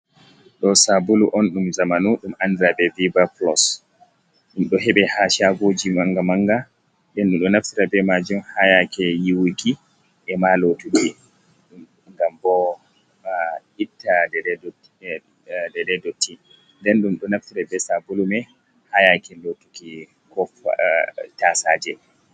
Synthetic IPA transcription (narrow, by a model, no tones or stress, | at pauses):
ɗɔsabuluʔɔnɗumzamanuɗumʔandiɾabɛvibaplɔs | ɗumɗɔɦɛɓɛhaʃaɡod͡ʒimaŋɡamaŋɡa | ndɛnɗumɗɔnaftiɾabɛmad͡ʒumhajakɛjiwiki | ʔɛmalotuɡɛ | ŋɡambɔ | itːadɛ | dɛdɛdɔtʰːi | ndɛnɗumɗɔnaftiɾabɛsabulumɛ | hajakɛlotuki | kɔf | tasaːd͡ʒɛ